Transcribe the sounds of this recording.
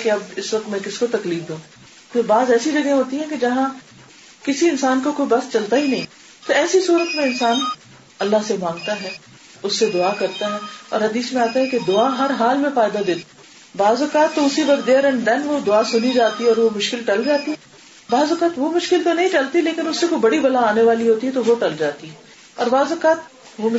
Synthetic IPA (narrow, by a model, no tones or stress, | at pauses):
keɐbɪsʋɐk̚t̪mɛ̃kɪskot̪ɐkliːfd̪ũː | peɾbaːzɛːsid͡ʒɐɡẽɦoːt̪iɦɛ̃ked͡ʒɐɦã | kɪsiɪnsaːnkokoːibɐst͡ʃɐlt̪aɦinɐɦĩː | t̪oɛːsisuːɾət̪mẽɪnsaːn | ɐlːaɦsemãːŋɡt̪aɦɛː | ʊsːed̪ʊaːkɐɾt̪aɦɛːɔ̰ːɾɦɐd̪iːsmẽaːt̪aɦɛked̪ʊaɦɐɾɦaːlmẽfaːjd̪ad̪eːt̪ | baːzʊkaːt̪ːoʊsiʋɐkd̪eɾɛ̃nd̪ɛnʋod̪ʊasʊnid͡ʒaːt̪iɦɛɔːɾʋomʊʃkɪlʈɐld͡ʒaːt̪iɦɛ | baːzʊkaːt̪ʋomʊʃkɪlt̪onɐɦĩʈɐlt̪ileːkɪnʊsːekoibɐɽibɐlaaːneʋaːliɦoːt̪iɦɛt̪oʋoʈɐld͡ʒaːt̪iɦɛ | ɔːɾbaːzʊkaːt̪̚ | ʋom